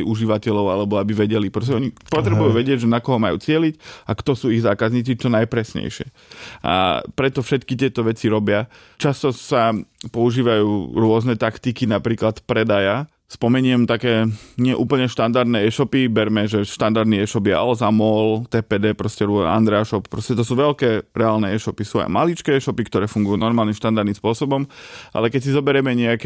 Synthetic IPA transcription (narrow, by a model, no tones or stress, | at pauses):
iuʒiʋacɛʎɔʊalɛbɔabiʋɛɟɛlipɾɔs̬cɛɔɲipɔt̪ɾɛbujuːʋɛɟɪɛɟʒɛnakɔɦɔmajṵːt͡sɪɛlicakt̪ɔsuːiɣzaːkazɲiːt͡sit͡ʃɔnajpɾɛsɲɛ̰jʃɪɛ̰ | ʔa̰pɾɛt̪ɔfʃɛt̪kit̪ɪɛt̪ɔʋɛt͡siɾɔbɪa | t͡ʃast̪ɔsapɔuʒiːʋajuːɾʊɔznɛt̪akt̪ikinapɾiːklat̪pɾɛd̪aja | spɔmɛɲɪɛmt̪akɛːɲɪɛʔṵːpl̩ɲɛʃt̪and̪aɾd̪nɛɛʃɔpibɛɾmɛʒɛʃt̪and̪aɾd̪niɛʃɔpjɛa̰lɛzamɔlt̪ɛːpɛːd̪ɛːpɾɔscɛɾɔ̰a̰nd̪ɾɛaʃɔppːɾɔscɛt̪ɔsuːʋɛlkɛːɾɛaːlnɛɛʃɔpisua̰ɪma̰lit͡ʃkɛːɛʃɔpikt̪ɔɾɛːfuŋɡujuːnɔɾmaːlnimʃt̪and̪aɾd̪imspʊɔsɔbɔmʔa̰lɛkɛcsizɔbɛɾjɛmɛɲɛakɛ